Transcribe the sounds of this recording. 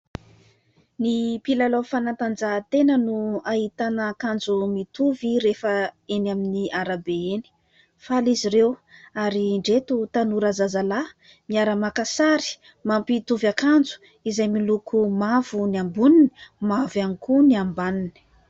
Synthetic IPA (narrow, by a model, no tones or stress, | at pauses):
nipilalofanant̪and͡zat̪enənuaɦit̪anakand͡zumit̪uviɾefəenaminiaɾabeeni̥ | faliziɾewaɾiɳɖ͡ʐet̪ut̪anuɾazazala | miaɾəmakasaɾi̥ | mampit̪uvakand͡zu̥ | izajmilukʰumavuniambunini̥mavanikuniambanini̥